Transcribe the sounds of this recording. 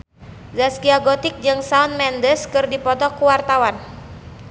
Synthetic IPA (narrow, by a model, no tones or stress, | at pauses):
zaskiaɡɔt̪ɪk̚d͡ʒɨŋsaunmɛndəskɨrdipɔt̪ɔkuwart̪awan